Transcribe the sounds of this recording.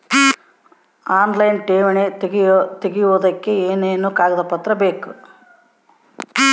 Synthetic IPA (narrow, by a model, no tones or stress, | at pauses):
aːnlɐjnʈeːʋɐɳeeɡit̪eɡijuʋɐd̪ɐkːe̞eːneːnukaːɡɐd̪ɐpɐt̪ɾɐbeːku